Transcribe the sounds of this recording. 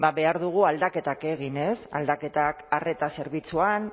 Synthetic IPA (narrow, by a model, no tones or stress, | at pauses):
baβe̞aɾðuɣ̞uald̪ake̞t̪ake̞ɣ̞ine̞sa̰ld̪ake̞t̪akare̞t̪ase̞ɾβ̞it͡suan